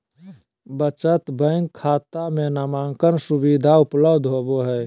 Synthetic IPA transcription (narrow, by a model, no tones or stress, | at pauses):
bət͡ʃət̪bə̃ŋɡkʰːaːt̪amenamaːŋkənsubid̪ʱaʊpləbd̪ʱɦoboɦɛː